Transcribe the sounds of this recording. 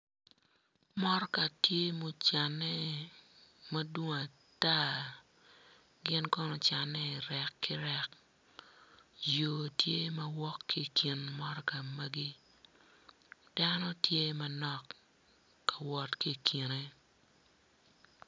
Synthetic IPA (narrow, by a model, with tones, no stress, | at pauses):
mɔ˦ɾka˨tje˦mo˦t͡ʃa˨nːɛ˦ | mɐ˦dwo˦ŋ˨a˨ | ta˦ | ɡɪ˦nkɔ˦nɔ˨t͡ʃa˨nːɛ˦ɪ˨ɾɛ˨kːʰɪ˦ɾɛ˦k | joː˨tje˦mɐ˦wɔ˦kːi˦˨kʰi˨nmɔ˦ɾɔ˦ka˨mɐ˦ɡi˦ | d̥a˦nɔ˦tje˦mɐ˦nɔ˨kː | ḁ˨wɔ˦tki˦˨kʰi˨ne˦